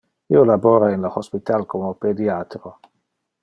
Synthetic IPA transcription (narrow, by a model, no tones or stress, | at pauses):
iolaboːɾainlohospit̪alkomoped̪iat̪ɾo